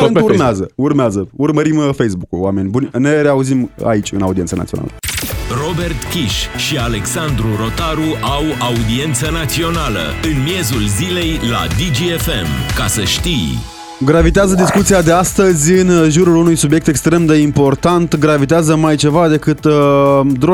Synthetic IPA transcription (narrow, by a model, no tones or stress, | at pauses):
urmeazəurmeazəurməɾimfejsbukulwame̞nʲbunʲne̞ɾeauzima̰it͡ʃʲɨnaud̪iet̪səna̰t̪io̰na̰lə̰ro̞be̞rt̪kʲiʃʃiale̞ksand̪ɾuɾo̞t̪aɾuʔawaud̪ie̞nt̪sənat̪sio̞nalə̰ɨnmje̞zulzile̞jla̰d̪id͡ʒiefe̞̰mkasəʃt̪ij | ɡɾavit̪eazəd̪iskut̪sijad̪east̪əzʲɨnʒuɾulunujsubje̞k̚t̪e̞kst̪ɾe̞md̪e̞impo̞rt̪ant̪ɡɾavit̪eazəmajt͡ʃe̞vad̪e̞kɨt̪ | d̪ɾo